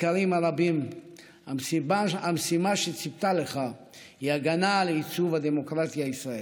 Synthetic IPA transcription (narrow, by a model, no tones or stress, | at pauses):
kaʁimaʁabim | asibaamsimaʃet͡sipt̪aleχa | hiaɡanaleit͡suvad̪emokʁat̪iaisʁae